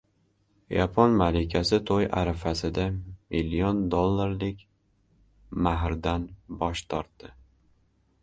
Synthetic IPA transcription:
japʰɒnmalɪkʲʰasɪt̪ʰoja̰ɾafasɪd̪amilːijond̪olˠːaɾlɪkʲ | maɦɾd̪anbɒʃt̪ʰɒɾt̪ːɪ

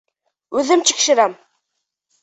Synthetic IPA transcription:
ʉðɘmt͡ʃʰi̥kʃɘ̆ɾæm

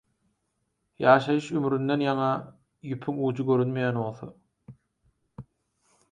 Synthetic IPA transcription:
jɑːʃɑjɯʃymɾynd̪e̞njɑŋɑ | jypʰyŋuːd͡ʒɯɡø̞ɾynmejænβo̞lˠθo̰

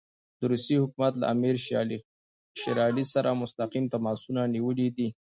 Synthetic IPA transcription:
d̪əɾusihʊkumat̪la̰ʔamiɾ | ʃɪɾɑlisaɾʔamʊst̪aqimt̪amɑsunaniwəlid̪i

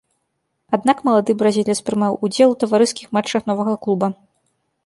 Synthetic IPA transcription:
ad̪nakmɐlˠad̪ɨbɾazʲilʲspɾɨmawud͡zʲɛlˠut̪ɐvaɾɨskʲixmat͡ʂːɐxn̪ɔvɐɣɐklˠubɐ

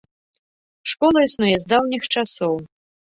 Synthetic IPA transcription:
ʂkɔlˠɐisnujɛzd̪awnʲixt͡ʂasɔw

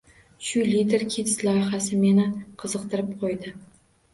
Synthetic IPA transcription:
ʃʊlit̪e̞ɾkʲʰet̪ʰɪ̥lɒjχasɪmenɪqʰɨzɨq̚t̪ʰɪɾɪp̚qʰojd̪ɪ

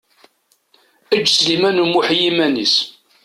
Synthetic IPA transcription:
æd͡ʒːslimænumuħjimænḭs

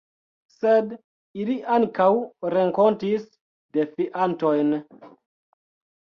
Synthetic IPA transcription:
sed | iliʔaŋkawɾeŋko̞ntis | defiʔantojn

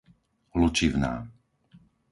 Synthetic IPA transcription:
lut͡ʃiʋna̰ː

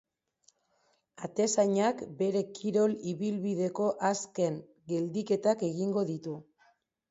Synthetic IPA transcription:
at̪e̞saɲakbe̞ɾe̞kʰiɾo̞liβilβið̞e̞ko̞ʔaske̞ŋ | ɡe̞ld̪ike̞t̪ake̞ɣiŋɡo̞ðit̪u

